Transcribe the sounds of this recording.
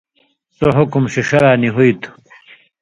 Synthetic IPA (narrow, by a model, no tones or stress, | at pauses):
soɦʊkumɕiʂɐɾaːniɦuit̪ʰu̥